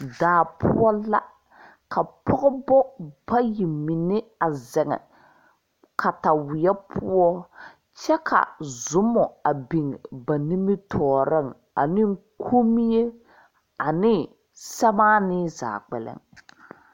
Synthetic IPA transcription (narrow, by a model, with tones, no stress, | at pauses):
daː˨pʰʊ̰˦ɔ˦la˦ | kʰa˨pɔ˦ɣɪ˦bɔ˦b̥a˦ji˨mɪ˨nɪ˦a˨zɛ˨ŋɛ̰˨ | kʰa˨ta˨wɪ˨ɛ˦pʰʊ˦ɔ˦ | t͡ʃɛ˦kʰa̰˨zʊ˨˦mːɔ˨a˨bi˨ŋba˨ni˦mɪ˦tʰɔː˨ɾɪ˦˨ŋ | a̰˨nɪ˦ŋ˦kʰu˦mi˦je˦ | a˨nɪ˦ | sɛ˦baː˦nɪ˦za̰ː˨k͡pɛ̰˨lɛ̰˦ŋ